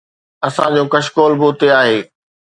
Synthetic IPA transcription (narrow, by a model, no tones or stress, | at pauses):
ɐsãd͡ʑõːkɐʃkoːlboːʊt̪eaːɦeː